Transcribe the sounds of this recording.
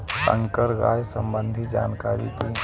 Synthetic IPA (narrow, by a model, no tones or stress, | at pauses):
sə̰̃ŋkəɾɡa̰ːjsə̃mbə̃nd̪ʱid͡ʒa̰ːnkaːɾḭt̪ʰiː